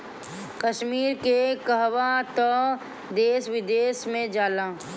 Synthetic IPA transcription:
kəʃmiːɾkekəɦʋat̪ɔ | d̪eːsʋɪd̪eːsmẽd͡ʒaːlaː

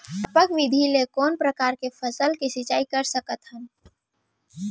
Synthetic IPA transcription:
əpəkʋid̪ʱilekɔːnpɾəkaːɾkepʰəsəlkisɪt͡ʃaːikəɾsəkət̪ɦən

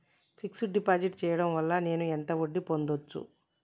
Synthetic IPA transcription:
pʰiksuɖipaːd͡ʒiʈt͡ʃɛːjɐɽɐmʋɐlːɐne̞ːnuent̪ɐoɖːipo̞nd̪ot͡ʃːṵ

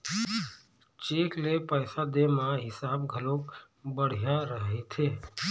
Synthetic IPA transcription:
t͡ʃeklepəjsad̪emãɦɪsaːbɡʱəlok | bəɽ̤jaɾəɦet̪ʰe

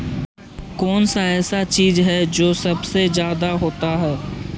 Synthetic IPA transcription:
kɔːnsaɛːsat͡ʃiːzɦɛd͡ʒoːsɐbsezjaːd̪aɦoːt̪aɦɛː

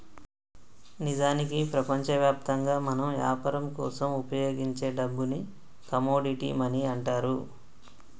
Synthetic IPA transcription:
nid͡ʒaːnikipɾɐpɐɲt͡ʃɐʋjaːp̚t̪ɐŋɡaːmɐnɐmʋja̰ːpɐɾɐmkɔ̰ːsɐmupɐjoːɡiɲt͡ʃe̞ːɖɐbːuni | kɐmoːɖiʈḭmɐniɐɳʈaːɾu

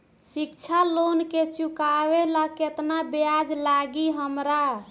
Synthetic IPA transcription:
sikt͡ʃʰalonket͡ʃukaʋelaket̪nabead͡ʒlaɡiɦəmɾa

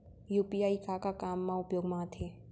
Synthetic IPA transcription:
juːpiaːikakakaːmːãʊpjoːɡmãːt̪ʰeː

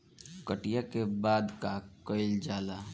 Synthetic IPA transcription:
kəʈijakebaːd̪kakəɪld͡ʒaːla

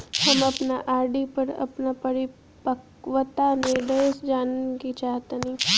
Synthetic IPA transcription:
hɐmɐpnaʔaːɾɖipɐɾɐ̰pnapɐɾɪ | pək | ʋət̪anẽɖəsd͡ʒaːnekit͡ʃaːɦt̪enĩː

